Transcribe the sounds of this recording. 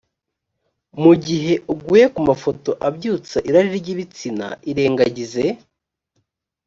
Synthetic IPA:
muɟiɦe̞ʔuɡuːje̞kumafo̞to̞ʔabɟuːt͡saʔiɾaɾiɾɟiβit͡sina̰iɾe̞ːŋɡaɟize̞

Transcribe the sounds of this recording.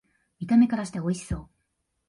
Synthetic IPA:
mʲit̪ame̞kaɾaɕi̥t̪eo̞iɕi̥so̞ː

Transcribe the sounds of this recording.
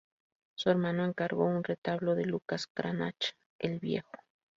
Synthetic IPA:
sue̞ɾmãnoeŋkaɾɣo̞unret̪aβloðelukaskɾʔana̰t͡ʃḁ | elβjḛxo̥

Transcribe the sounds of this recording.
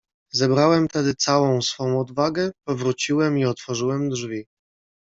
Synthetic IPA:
zɛbɾawɛmt̪ɛd̪ɘt̪sawɔ̃w̃sfɔ̃w̃ɔd̪vaɡɛpɔvɾut͡ɕiwɛmiɔt̪fɔʐɘwɛmd̪ʐvʲi

